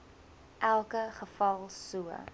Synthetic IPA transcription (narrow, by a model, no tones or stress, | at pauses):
ʔælˠkəχəfɐlˠsuə̰